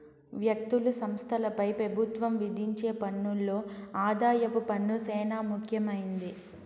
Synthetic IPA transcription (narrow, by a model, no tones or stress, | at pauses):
ʋjɐk̚t̪ulusɐmst̪ʰɐlɐpɐjpɾɐbʱut̪ʋɐmʋid̪ʱiɲt͡ʃe̞ːpɐnːulːo̞ːaːd̪aːjɐpupɐnːusɛːnaːmukʰjɐmɐjind̪i